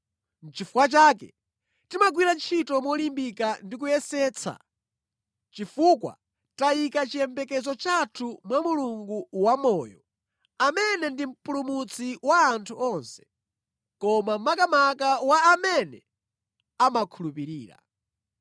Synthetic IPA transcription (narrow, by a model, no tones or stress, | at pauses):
n̩t͡ʃifuwat͡ʃaːk̬ɛ̰ | timaɡwiɾant͡ʃʰitɔmɔlimbikandik̬ujɛsɛːt͡sʰa̰ | t͡ʃifukwa̰ | taikat͡ʃijɛmbɛkɛzɔt͡ʃatʰumwamuluŋɡuwamɔːjɔ̰ | amɛnɛndim̩pulumut͡sʰiwaːntʰuɔnsɛ̥ | kɔmam̩makamakawaːmɛnɛ̰ | amakʰulupiɾiːɾa̰